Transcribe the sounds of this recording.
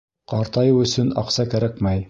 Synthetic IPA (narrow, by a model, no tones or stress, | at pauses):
qɑɾt̪ɑjɤwɵ̆sɵnɑ̰qsɑkæɾækmæj